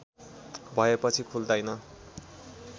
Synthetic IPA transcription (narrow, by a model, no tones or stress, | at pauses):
bʱʌepʌt͡sʰikʰuld̪ʌjnʌ